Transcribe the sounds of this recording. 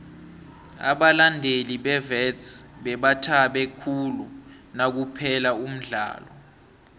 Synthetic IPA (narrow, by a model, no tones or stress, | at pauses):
a̰ɓalandʱeliɓɛvɛtsɓɛɓatʰaɓɛkʰulu | nak̬upʰɛlaum̩ɮa̰ːlɔ